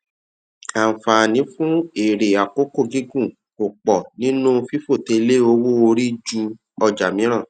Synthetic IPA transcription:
a˨fa˨nĩ˨˦fũ˦e˦˨ɾe˨a˨ko˦ko˦˨ɡi˦ɡũ˦˨ | o˨k͡pɔ˨nĩ˦nũ˦˧fi˦fo˦˨te˧le˦o˧˦wo˦o˧ɾi˦d͡ʒu˧ | ɔ˧d͡ʒa˨mĩ˨˦ɾ̃ã˦˨

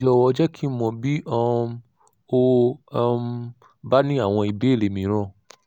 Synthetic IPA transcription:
d͡ʒɔ˧˨wɔ˧d͡ʒɛ˦kʰi˦mɔ̃˧bi˦ɔ˧ | o˦˧ | ba˦nĩ˦a˦˨w̃ɔ̃˧i˧be˨˦e˦˨le˨mĩ˨˦ɾ̃ɔ̃˦˨

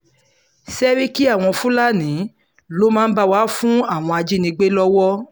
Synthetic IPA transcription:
sɛ˦ɾi˦ki˦a˦˨w̃ɔ̃˧fũ˦la˦˨nĩ˨˦ | lo˦mãː˦n̩˦ba˧wa˨˦fũ˦a˦˨w̃ɔ̃˧a˧d͡ʒi˦nĩ˧ɡ͡be˦lɔ˦wɔ˦

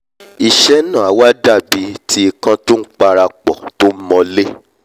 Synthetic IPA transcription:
i˨ʃɛ˦nã˦˨a˨˦wa˦da˦˨bi˨˦tʰi˧˦i˧kã˧to˦n̩˦k͡pa˧ɾa˧k͡pɔ̰˨to˦mɔ̃˧le˦

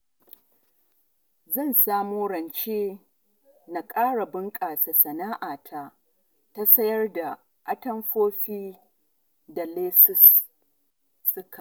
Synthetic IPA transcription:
zɐ˦˨nsaː˦moː˦ɽɐ˨nt͡ʃeː˦ | na˨kʼaː˦ɽa˨bɪ˦ŋkʼaː˨sa˨sɐ˨naː˦ʔaː˨tʰa˦ | ta˦sɐ˦jɐ˦rda˨ | ʔa˦tɐ˦mɸoː˦ɸiː˦ | da˨leː˦sʊ˦s | ʊ˦ka˨

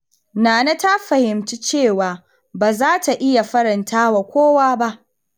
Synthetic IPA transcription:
naː˨na˦ta˦ɸɐ˨hɪ˨mt͡ʃi˦t͡ʃeː˦˨waː˨ | baː˨zaː˦tʰa˨ʔɪ˦ja˨ɸɐ˦ɾɐ˨ntʰaː˦wa˨kʷoː˦waː˦ba˦ʔ

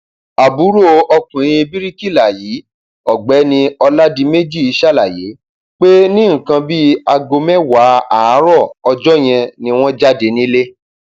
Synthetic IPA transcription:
a˨bu˨˦ɾo˦˨ɔ˧kũ˨ɾ̃ĩ˧bi˦ɾi˦ki˦˨la˨ji˨˦ | ɔ˨ɡ͡bɛ˨˦nĩ˧ɔ˧la˦di˧me˦d͡ʒi˦˨i˧ʃa˦˨la˨je˨˦ | k͡pe˦nĩ˦ŋ̩̃˨kã˧bi˦a˧ɡo˧mɛ̃˦wa˨˦a˨˦ɾɔ˦˨ɔ˧d͡ʒɔ˦j̃ɛ̃˧nĩ˧w̃ɔ̃˦d͡ʒa˦de˨˧nĩ˦le˦

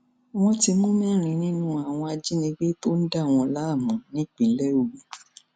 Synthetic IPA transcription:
w̃ɔ̃˦ti˧mũ˦mɛ̃˦˨ɾ̃ĩ˧nĩ˦nũ˦a˦˨w̃ɔ̃˧a˧d͡ʒi˦nĩ˧ɡ͡be˦to˦n̩˦da˦˨w̃ɔ̃˧la˦˨mũ˨nĩ˦k͡pi˨lɛ˦o˦˨be˨˦

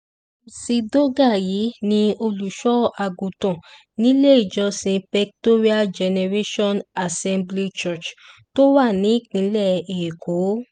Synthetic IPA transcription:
si˧do˦ɡa˦˨ji˨˦nĩ˧o˧lu˨ʃɔ˦a˧ɡũ˨tɔ̃˨ | nĩ˦le˦i˦˨d͡ʒɔ˧sĩ˧pɛ˧k̚to˦ɾi˦a˦d͡ʒɛ˧nɛ˧ɾe˦ʃɔ̃˦na˨sɛ̃˧mbli˦t͡ʃɔ˦˨t͡ʃto˦wa˦˨nĩ˨˦k͡pĩ˨˦lɛ˦˨e˨kʰo˨˦

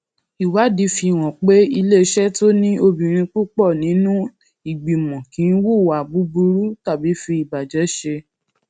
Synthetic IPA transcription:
i˨wa˨˦di˨˦fi˧˨w̃ɔ̃˨k͡pe˦i˧le˦˧˦ʃɛ˦to˦nĩ˦o˧bĩ˨ɾ̃ĩ˧k͡pu˦k͡pɔ˦˨nĩ˨˦nũ˦ | i˦˨ɡ͡bi˨mɔ̃˨kĩ˨˦n˦wu˦˨a˨bu˨˦bu˧ɾu˦ta˦˨bi˨˦fi˧i˨ba˨d͡ʒɛ˨˦ʃe˧

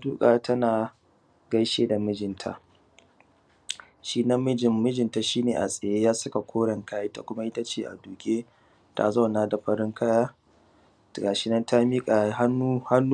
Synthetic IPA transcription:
a˦duː˦kʼaː˨tʰɐ˦naː˨ | ɡɐ˦jʃeː˦da˨mɪ˦d͡ʒɪ˨ntʰa̰˨ʔ | ʃiː˦na˦mːɪ˦d͡ʒɪ˨mːɪ˦d͡ʒɪ˨nta˨ʃiː˦neː˨ʔa̰˨sʼɐ˨jeː˦jaː˦sɐ˦ka˨kʷoː˦ɽɐ˨ŋkaː˦ji˦ta˨kʷʊ˦ma˦ʔɪ˦ta˦t͡ʃeː˦˨ʔa̰˨duː˨kʲʼeː˦ | tʰa̰˦zɐ˦˨wnaː˦da˨ɸɐ˦ɾɪ˦ŋkʰa˦jaː˦˨ | ɡaː˨ʃɪ˦nɐ˦ntʰa˦miː˦kʼa˨˦ha˦nu˦ha˦nː˦

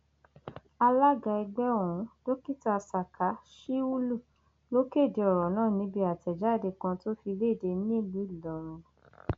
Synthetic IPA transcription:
a˧la˦ɡa˧i˧ɡ͡bɛ˦õ˦˨ũ˨˦d̥o˦ki˦ta˧sa˨kʰa˨˦ʃi˦u˦lu˦˨ | lo˦ke˦˨de˨˧ɔ˨ɾɔ˨nãː˦˨nĩ˨˦bi˧a˨tɛ˨d͡ʒa˨˦˨de˧kã˧to˦fi˧le˦˨de˧˦nĩ˦˨li˨˦˨lɔ˨ɾɔ̃˨

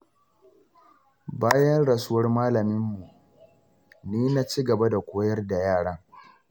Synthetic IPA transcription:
baː˦jɐ˦nɽɐ˨sʊ˦wɐ˦rmaː˦lɐ˨mɪ˦mːu˨ | niː˦na˦t͡ʃiː˦ɡɐ˨ba˦da˨kʷoː˦jɐ˦rda˨jaː˦˨ɽa˦ŋ

